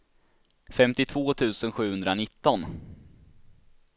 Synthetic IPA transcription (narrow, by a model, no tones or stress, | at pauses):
fɛmt̪ɪt̪ʰvoːt̪ʰʉ̟ːsənɧʉ̟ːhɵnd̪ɾanɪt̪ːɔn